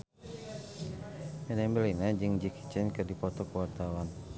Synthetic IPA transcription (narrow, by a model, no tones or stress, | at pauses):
mɛnɛmbəlinad͡ʒɨŋd͡ʒiki̥t͡ʃɛnkɨrdipɔt̪ɔkəwart̪awan